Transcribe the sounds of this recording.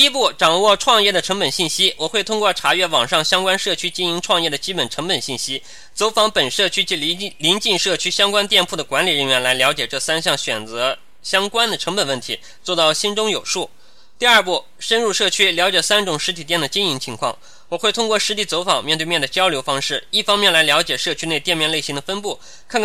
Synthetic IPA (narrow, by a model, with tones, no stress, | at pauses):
t̪i˥p̬u˥˩ʈ͡ʂɑ˨˩ŋwɔ˥˧ʈ͡ʂʰwɑ˥˧ŋjɛ˥˩d̪ə˩ʈ͡ʂʰɤ˧˥ŋpə˨˩nɕi˥˩nɕi˥wɔ˨˩xwe˥˩ʊ˥ŋkwɔ˥˩ʈ͡ʂʰa˧˥ɥɛ˥˩wɑ˨˩ŋʂɑ˥˩ŋɕjɑ˥ŋkwa˥nʂɤ˥˩t͡ɕʰy˥t͡ɕi˥ni˧˥ŋʈ͡ʂʰwɑ˥˧ŋjɛ˥˩d̪ə˩t͡ɕi˥pə˨˩nʈ͡ʂʰɤ˧˥ŋpə˨˩nɕi˥˩nɕi˥ | t͡so˧˥ʊfɑ˧˥ŋpə˨˩nʂɤ˥˩t͡ɕʰy˥t͡ɕi˧˥˧li˧˥nt͡ɕi˥˧ŋʂɤ˥˩t͡ɕʰy˥ɕjɑ˥ŋkwa˥nt̪jɛ˥˧npʰu˥˩d̪ə˩kwa˧˥nli˨˩ɻə˥˩nɥɛ˧˥nla˧˥ɪljɑ˧˥ʊt͡ɕjɛ˨˩ʈ͡ʂɤ˥˩sa˥nɕjɑ˥˩ŋɕɥɛ˨˩nt͡sɤ˧˥ | ɕjɑ˥ŋkwa˥nd̪ə˨ʈ͡ʂʰɤ˧˥ŋpə˨˩nwə˥˩nt̪ʰi˧˥ | t͡swɔ˥˧t̪ɑ˥˩ʊɕi˥nʈ͡ʂʊ˥ŋjo˨˩ʊʂu˥˩ | t̪i˥˧ɐ˞˥˧pu˥˩ | ʂə˥nɻu˥˧ʂɤ˥˩t͡ɕʰy˥ljɑ˧˥ʊt͡ɕjɛ˨˩sa˥nʈ͡ʂʊ˨˩ŋʂɻ̩˧˥t̪ʰi˨˩t̪jɛ˥˩nd̪ə˩t͡ɕi˥ni˧˥ŋt͡ɕʰi˧˥ŋkʰwɑ̰˥˩ŋ | wɔ˨˩xwe˥˩ɪt̪ʰʊ˥ŋkwɔ˥˩ʂɻ̩˧˥t̪ʰi˥˩t͡so˧˥ʊfɑ˨˩ŋmjɛ˥˧nt̪we˥˧mjɛ˥˩nd̪ə˩t͡ɕjɑ˥ʊljo˧˥ʊfɑ˥ŋʂɻ̩˥˩i˥˩fɑ˥ŋmjɛ˥˩nla˧˥ɪljɑ˧˥ʊt͡ɕjɛ˨˩ʂɤ˥˩t͡ɕʰy˥ne˥˧ɪt̪jɛ˥˧nmjɛ˥˧nle˥˩ɪɕi˧˥ŋd̪ə˨fə˥np̬u˥˩ | kʰa˥˧n